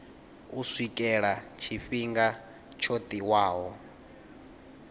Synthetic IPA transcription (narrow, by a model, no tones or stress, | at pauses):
uswikʼɛɺat͡ʃʰiɸiŋɡa | t͡ʃʰot̪ʼiwaːɦɔ